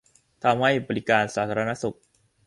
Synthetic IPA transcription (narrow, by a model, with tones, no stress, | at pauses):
t̪ʰa˧mha˥˩jbɔː˧li˦˥kaː˧nsaː˩˦t̪ʰaː˧a˧na˦˥su˨˩k̚